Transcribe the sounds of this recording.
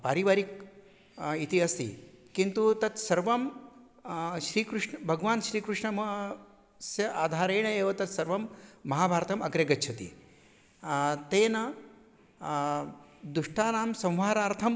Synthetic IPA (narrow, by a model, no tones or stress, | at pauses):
paːɾiʋaːɾik̚ | it̪iɐst̪ḭkint̪ut̪ɐt̪sɐɾʋɐm | ʃɾiːkɾuʂɳɐbʱɐɡʋaːnʃɾiːkɾuʂɳɐmɐ | sjɐʔaːd̪ʱaːɾeːɳɐeːʋɐt̪ɐt̪sɐɾʋɐmːɐɦaːbʱaːɾt̪ɐmɐɡɾɐɡɐtːʃʰɐt̪ḭ | t̪eːnɐ | d̪uʂʈaːnaːmsɐ̃w̃ʋaːɾaːɾt̪ʰɐm